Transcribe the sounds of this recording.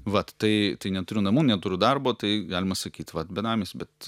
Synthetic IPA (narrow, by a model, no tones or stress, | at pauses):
ʋɐtt̪ɐɪt̪ɐɪnʲɛt̪ʊɾʲʊnɐmuːnʲɛt̪ʊɾʲʊd̪ɐrboːt̪ɐɪɡɑːlʲɪmɐsɐkʲiːt̪ʲʋɐt̪bʲɛnɑːmʲeːsʲbʲɛt̪